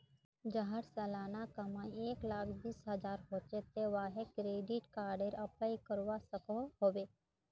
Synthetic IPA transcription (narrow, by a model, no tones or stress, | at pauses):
d͡ʒaɦəɾsɛːlaːnakəmãeːklaːkʰbiːsɦəzaːɾɦoːt͡ʃet̪eʋaːɦekɾeːɖɪʈkaːɾɖeɾɐplaːikəɾʋasəkoɦoːʋeː